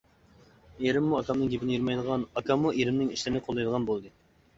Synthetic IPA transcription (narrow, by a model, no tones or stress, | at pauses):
eɾɪmːuɑkʰɑmnɨŋɡʲepɪnɪjyɾmɑjd̪əʁɑnɑkʰɑmːuʔeɾɪmnɪŋiʃlɪnɨqʰolˠːɑjd̪əʁɑnbolˠd̪ɨ